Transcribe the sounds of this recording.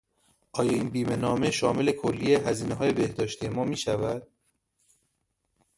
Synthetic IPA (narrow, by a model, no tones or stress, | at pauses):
ʔɒːjɒːiːnbiːme̞nɒːme̞ʃɒːmele̞kʰolːieɦæziːneɦɒːje̞be̞hd̪ɒːʃt̪ijemɒːmiːʃævæd̪̥̚